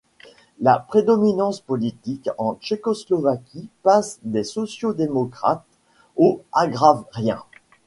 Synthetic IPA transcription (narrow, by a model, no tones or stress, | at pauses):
la̰pχed̪ɔminɑ̃spɔlit̪ikɑ̃t͡ʃekɔslɔvakʲipasd̪esɔsjod̪emɔkχa̰t̪ | oaɡʁavʁjɛ̃